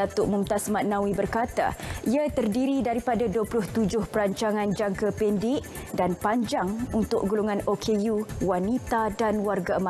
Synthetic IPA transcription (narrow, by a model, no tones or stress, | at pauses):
at̪ʊʔmumt̪asmaʔ̪̚nãwibərkat̪a̰ʔiat̪ərdiɾidaɾipadaduəplʊht̪ud͡ʒʊhpəɾaɲt͡ʃaŋãnd͡ʒaŋkəpɛndɪʔ | danpaɲd͡ʒaŋunt̪ʊk̚ɡuluŋãnokʰejuwanit̪adanwarɡaəma